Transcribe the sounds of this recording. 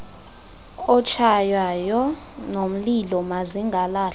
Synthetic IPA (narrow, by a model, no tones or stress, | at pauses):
ɔt͡ʃʰajwajɔ | nom̩lilɔmaziŋɡʱalaː